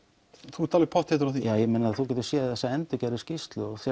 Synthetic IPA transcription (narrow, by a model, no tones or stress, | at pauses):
θu̥t̪ʰalvɛpʰɔht̪hɛt̪ʏɾawθijaːjɛmɛːnaɾaθuwc̬ɛːt̪ʏstsjɛθɛsːaɛnt̪ʏcɛːɾɪscɪst̪lʏɔɣθja